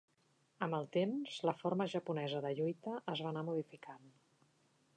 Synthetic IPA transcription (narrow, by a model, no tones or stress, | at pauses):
əmbəlˠt̪emz̥ləforməʒəpunɛzəðəʎujt̪əʔəzβanamuðifikʰan